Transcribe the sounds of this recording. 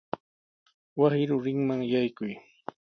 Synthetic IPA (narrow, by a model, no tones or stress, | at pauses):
wasɪɾʊɾɪŋmaŋjajkʊj